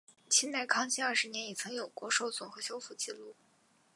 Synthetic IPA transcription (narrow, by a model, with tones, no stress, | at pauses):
t͡ɕʰi˥nt̪a˥˩ɪkʰɑ˥ŋt͡ɕʰi˥ɐ˞˥˩ʂɻ̩˧˥njɛ˧˥ni˨˩t͡sʰɤ˧˥ŋjo˨˩ʊkwɔ˧˥ʂo˧˥ʊt͡sʊ˨˩ŋxɤ˧˥ɕjo˥ʊfu˥˩t͡ɕi˥˧lu˥˩